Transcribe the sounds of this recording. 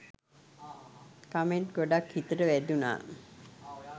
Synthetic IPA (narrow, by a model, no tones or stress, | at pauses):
kameɳʈɡoɖakhit̪əʈəʋæduna̰ː